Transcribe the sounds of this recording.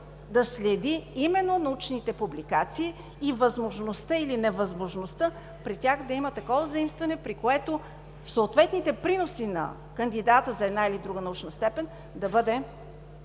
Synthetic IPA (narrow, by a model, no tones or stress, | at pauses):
d̪ɐslɛd̪iimɛnːonɐut͡ʃnit̪ɛpublikat̪siː | vɐzmoʒnost̪əilinɛvɐzmoʒnost̪ə | pɾitʲaxd̪ɐimət̪ɐkɔvəzɐimst̪vɐnɛpɾikoɛt̪o | soːt̪vɛt̪nit̪ɛpɾinosinɐ̰ | kənd̪id̪at̪əzɐɛd̪nailid̪ɾuɡənɐut͡ʃnəst̪ɛpɛn | d̪ɐbɤd̪ɛ